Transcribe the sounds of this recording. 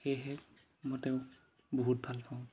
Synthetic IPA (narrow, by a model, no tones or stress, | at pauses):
xeɦɛ | mɔtɛ | boɦut̚bʱalpʰaʊ̃